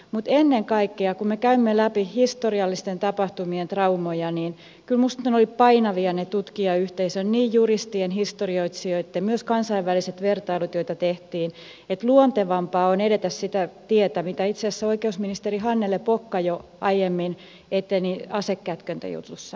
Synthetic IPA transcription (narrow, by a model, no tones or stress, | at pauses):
mut̪enːeŋkɑikːeɑkummekæymːelæpihist̪oriɑlːist̪ent̪ɑpɑht̪umient̪rɑumojɑniːn | kylmust̪ɑnolippɑinɑʋiɑnet̪ut̪kiɑyht̪eisønniːjjurist̪ienhist̪orioit̪sioit̪ːemyøskɑnsɑiʋʋæliset̪ʋert̪ɑilut̪joit̪ɑt̪eht̪iːn | et̪luont̪eʋɑmpɑːoneɾet̪æssit̪æt̪iet̪æmit̪æit̪seːsːæoikeusminist̪eriɦɑnːelepokːɑjo | ɑijemːin | et̪ːeniɑsekːæt̪kønt̪æ̰jṵt̪usːɑ